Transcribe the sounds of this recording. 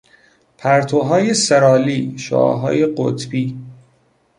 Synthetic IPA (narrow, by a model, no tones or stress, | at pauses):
pʰæɾt̪ʰoɦɒːjesæɾɒːliːʃo̰ʔɒ̰ːɦɒ̰ːjeɢo̰t̪ʰbiː